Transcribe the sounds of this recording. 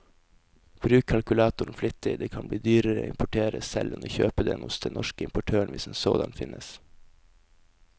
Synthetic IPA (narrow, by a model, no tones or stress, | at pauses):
b̥ɾʉːkkʰɑlkʉlɑːt̪ʊɳ̩flʏt̪ɪd̪eːkʰɑnbliːd̪yːɾəɾəɪmpʊʈʰeːɾəsɛlʔɛnoːçøːpəd̪ɛnʊsd̪ɛnʔɔʃkəɪmpʊʈʰøːəɳʋɪsd̪ensoːd̪ɑnfɪnʔəs